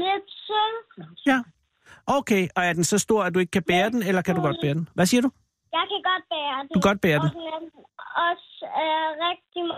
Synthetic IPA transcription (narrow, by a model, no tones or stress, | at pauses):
led̥sɔjæ | ʔoʊkʰeɪɒ̽æɐd̥ensɒ̽sd̥o̝ɐ̰ædd̥ue̝ɡ̥ə̥kʰæb̥eːɐd̥en̩elɐkʰæduɡ̥ɒ̽d̥̚b̥eːɐd̥enʋæsiːɐɾu | jɑ̈ɪkʰæɡ̥ɒd̥̚b̥ɛːɐd̥duɡ̥ɒ̽d̥̚b̥eːɐd̥enmeɔs | ʁɛɡ̥̚d̥im